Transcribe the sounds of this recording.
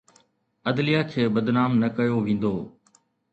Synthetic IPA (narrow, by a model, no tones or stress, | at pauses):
əd̪lijaːkʰeːbəd̪naːmnəkəjoːʋĩːnd̪oː